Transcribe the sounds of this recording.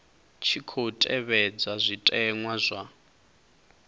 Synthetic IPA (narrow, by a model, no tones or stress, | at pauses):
t͡ʃʰikʰotʼɛβɛd͡zazʷitʼɛŋwazʷa